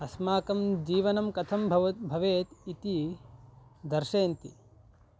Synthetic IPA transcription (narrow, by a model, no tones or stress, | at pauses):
ɐsmaːkɐmd͡ʒiːʋɐnɐmkɐt̪ʰɐmbʱɐʋɐt̪̚bʱɐʋeːt̪it̪i | d̪ɐɾʃeːnt̪ḭ